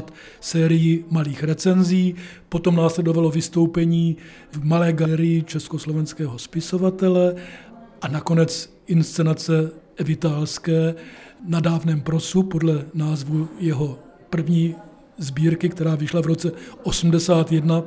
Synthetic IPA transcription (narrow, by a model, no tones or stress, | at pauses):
t̪ | sɛːɾɪjɪmaliːxɾɛt͡sɛnziː | po̞t̪o̞mnaːslɛdo̞valo̞vɪst̪o̞wpɛɲiː | vmalɛːɡɛːɾɪjɪt͡ʃɛsko̞slovɛnskɛːɦospɪso̞vat̪ɛlɛʔanako̞nɛt͡s | ʔɪnst͡sɛnat͡sɛɛvɪt̪aːlskɛːnadaːvnɛːmpɾosupodlɛnaːzvujɛɦo̞ | pr̩vɲiː | zbiːɾkɪkt̪ɛɾaːvɪʃlavɾo̞t͡sɛʔosm̩dɛsaːt̪jɛdna